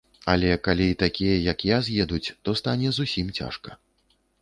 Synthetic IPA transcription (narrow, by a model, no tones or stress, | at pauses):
alʲɛkalʲiit̪akʲijɐjakjazjɛd̪ut͡sʲt̪ɔst̪anʲɛzusʲimt͡sʲa̰ʂkɐ